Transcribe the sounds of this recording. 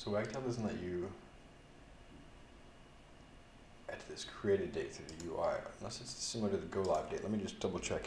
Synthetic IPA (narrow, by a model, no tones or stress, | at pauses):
soʊwaɪntʰɛlˠðɨzn̩lɛt͡ʃɨ | ɨt̪̚ðɪskʰɹ̥ieɪɾɨddeɪtθɹðɨjʉa̰ɪ̃nɛsɨtssɪ̃məɾɨðɨɡoʊlaɪv̚deɪʔlɛt̚mid͡ʒʌsd̥ʌbl̩ˠt͡ʃʰɛk